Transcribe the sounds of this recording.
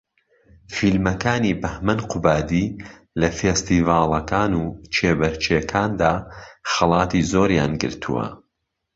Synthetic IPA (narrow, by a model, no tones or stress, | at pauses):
filmɐkaːniːbɐhmɐnqʊbaːd̪iː | lɐfeːst̪iːvɑːlˠɐkaːnuːt͡ʃʰeːbɐɾt͡ʃʰeːkʰaːnd̪aːxɐlˠɑːt̪iːzoːɾjaːnɡɨ̰ɾt̪ʰṵwɐ̰